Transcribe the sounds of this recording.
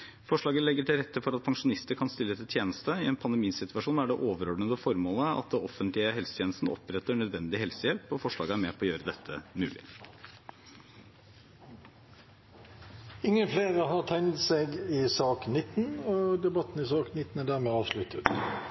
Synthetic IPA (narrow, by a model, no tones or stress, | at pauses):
fɔʂɭɑːɡəlɛɡːəʈʰɪlɾɛt̪ːəfɔɾɑt̪̚pʰɑŋʂʊnɪst̪əɾkʰɑnst̪ɪlːəɛt̪ːət̪ʰjeːnəst̪əɪɛːnpʰɑnd̪əmiːsɪt̪ʋɑʂuːnæɖɛʔoːʋəɾɔɖɳəd̪əfɔɾmoːləɑ̰t̪̚d̪ɛɔfənt̪lɪəɦɛlsət̪ʰjeːnəst̪n̩ʔɔ̰pɾɛt̪ːəɳœd̪ʋɛnd̪ɪhɛlsəjɛlpɔfɔʂɭɑ̰ːɡəæɾmeːpʰɔːjøːɾəd̪ɛt̪ʰːə̰mʉ̰ːlɪ̰ | ɪŋːənfleːʁəɦɑʁt̪ʰɛŋt̪seːɡɪsɑːknɪt̪n̩ɔd̪ɛbɑt̪n̩ɪsɑːknɪt̪n̩æɖ̪æːʁmeːɑːʋʂlʉt̪ʰət̪